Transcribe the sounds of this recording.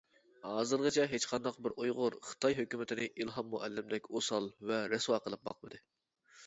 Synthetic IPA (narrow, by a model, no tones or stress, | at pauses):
hɑːzɨɾʁət͡ʃʰɛɦet͡ʃqʰɑnd̪ɑqbɪɾojʁʊɾχə̥t̪ʰɑjɦøkʲymɪt̪ʰɪnɪʔilˠɦɑmːoʔɛ̰lːɪmd̪ɛkʲosɑlˠvɛɾɛswɑːqəlˠɨp̚bɑ̰qmɨd̪ɨ